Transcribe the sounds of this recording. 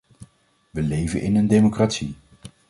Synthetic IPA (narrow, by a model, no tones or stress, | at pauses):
ʋəlejvənʔɪnəndejmokratsi